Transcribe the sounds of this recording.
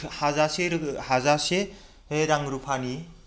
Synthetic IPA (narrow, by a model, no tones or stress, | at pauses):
hazaseɾhazase | heɾaŋɾupʰani